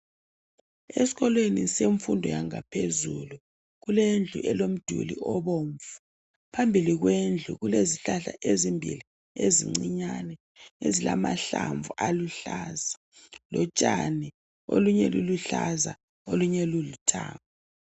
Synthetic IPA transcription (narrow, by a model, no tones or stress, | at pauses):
esiɣɔlweniseɱfundʱɔjaŋapʰezulu | ɣulend͡ɮʱṵʔɛlom̩d̥ʱṵlḭʔɔβoːɱfu̥ | pʰambʱiliɣwend͡ɮʱṵɣuleziɬaɬa̰ʔezimbʱḭli | ezḭŋ͡ǀiɲanɛ | ezilama̰ɬaɱvuʔaluɬaza | lɔt͡ʃʼanɛ | o̰luɲɛluluɬaza | oluɲɛlulutʰa̰ːmu